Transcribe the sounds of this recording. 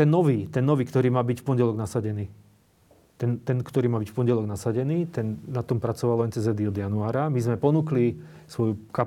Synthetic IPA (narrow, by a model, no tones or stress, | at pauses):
t̪ɛnːɔʋiːt̪ɛnːɔʋiːkt̪ɔɾiːmaːbicfpɔɲɟɛlɔɡnasaɟɛniː | t̪ɛnt̪ɛnkt̪ɔɾiːmaːbicfpɔnɟɛlɔɡnasaɟɛniːt̪ɛnnat̪ɔmpɾat͡sɔʋalɛnt͡sɛzɛd̪iɔd̪januaːɾamizmɛpɔnuːkli | sʋɔjuka